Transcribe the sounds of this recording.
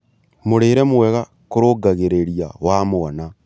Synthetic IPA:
moɾeːɾɛmwwɛɣa | koɾoɡaɣeɾeɾiawamoɔna

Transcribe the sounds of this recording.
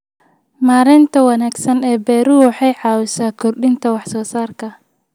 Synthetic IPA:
maːɾɪnt̪ʰɐwɑnaːɡsɐnɛːbɛːɾuwɑħɑjʕɑːwʊsaːkʰɔrɗɪnt̪ʰɐwɑħsɔːsaːrkʰɐ

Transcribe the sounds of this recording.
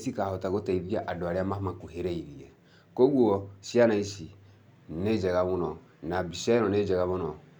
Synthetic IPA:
sikahotaɡotaibiaʔadoaɾiamamakuheɾeiɾije | koɡuɔsianaisi | ned͡ʒɛɡaβunɔ | nabisɛɔned͡ʒɛɡaβunɔ

